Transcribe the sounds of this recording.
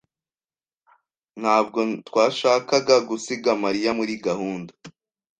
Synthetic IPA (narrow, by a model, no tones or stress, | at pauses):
n̥haːb̚ɡo̞twaːʃaːkaɡaɡusiɡamaɾijamuɾiɡahuːnda